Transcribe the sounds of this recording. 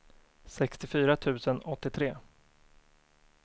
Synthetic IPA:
sɛkst̪ɪfyːɾat̪ʰʉ̟ːsənɔt̪ːɪt̪ʰɾeː

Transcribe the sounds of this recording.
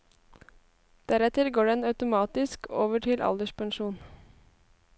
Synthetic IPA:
d̪̥æɾɛt̪əɾɡoːɖɛnɑʉt̪ʊmɑːt̪ɪskoːʋəʈʰɪlʔɑ̰ld̪əʃpʰɑŋʃuːn

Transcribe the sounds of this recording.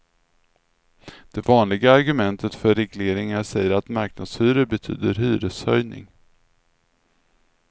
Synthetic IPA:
d̪̥ɛvɑːnlɪɡaːɾɡɵmɛnt̪ʰət̪fœɾːɛɡleːɾɪŋaɾʂɛjːəɾat̪maɾknad̪̥sfyːɾəɾbɛt̪ʰy̰ːd̪əɾɦyːɾəshœjnɪ̰ŋ

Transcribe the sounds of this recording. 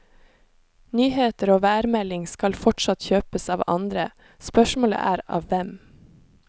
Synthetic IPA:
nyːheːt̪əɾoːʋæːɾmɛlɪŋskɑlfɔʈʃɑt̪çøːpəsɑːʋɑ̰nd̪ɾə | spœʃmoːlə̰ʔæ̰ːɾɑ̰ːʋʋɛm

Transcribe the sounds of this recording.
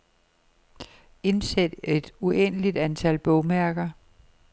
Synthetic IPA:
e̝nsed̥e̝d̥uen̰əlid̥ænt͡sʰælb̥ɔʊmæɐɡ̥ɐ

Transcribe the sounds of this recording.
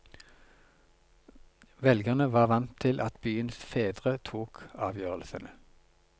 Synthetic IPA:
ʋɛlɡəʁnəʋɑːʁʋɑnt̪ʰɪlʔɑt̪byːənsfeːd̪ʁət̪ʰuːkɑːʋjøːʁəlsənə

